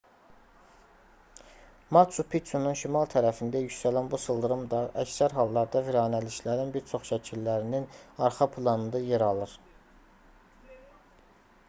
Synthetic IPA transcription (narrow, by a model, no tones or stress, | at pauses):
mɑt͡ʃʰupʰit͡ʃununʃimɑlˠt̪ʰæɾæfind̪æjycsælænbusɯlˠd̪ɯɾɯmd̪ɑʔæcsæɾɦɑlˠːɑɾd̪ɑviɾɑːnæliʃlæɾinbiɾt͡ʃʰo̞χʃæcʰilːæɾininɑɾχɑpʰlˠɑnɯnd̪ɑjeɾɑlˠɯɾ